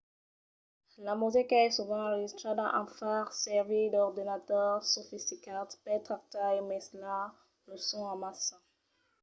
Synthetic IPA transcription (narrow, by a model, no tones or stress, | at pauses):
lamuzikaɛsuvɑ̃ɑ̃ʁʒist̪χed̪ɑ̃ʔɛ̰̃faʁsɛʁvid̪ɔʁd̪inat̪œʁsofist̪ikat̪pɛt̪χak̚t̪aemɛsla | ləsɔ̃ãmasɑ̃